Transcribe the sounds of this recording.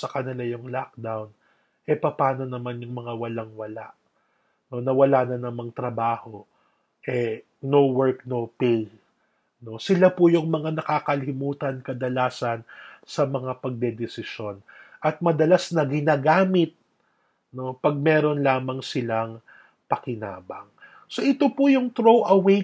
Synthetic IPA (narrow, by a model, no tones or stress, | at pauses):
sɐkɐnɪlajʊŋlak̚d̪awn | ʔɛpɐpaːno̞nɐmanjʊŋmɐŋawɐlaŋwɐla̰ʔ | no̞nɐwɐlaːnɐnɐmaŋt̪ɾɐbaːho̞ | ʔɛ | no̞wɛɹk̚no̞pej | no̞sɪlapʊjʊŋmɐŋanɐkaːkɐlɪmuːt̪ɐnkɐd̪ɐlaːsɐnsɐmɐŋapɐɡ̚d̪ɛd̪ɛsɪʃjo̞nʔɐt̪̚mɐd̪ɐlasnɐɡɪnaːɡaːmɪt̪̚ | no̞pɐɡ̚mɛːɾo̞nlaːmɐŋsɪlaŋ | pɐkɪna̰ːbɐ̰ŋ | so̞ʔɪt̪opʊjʊŋt̪ɾowʔɐwe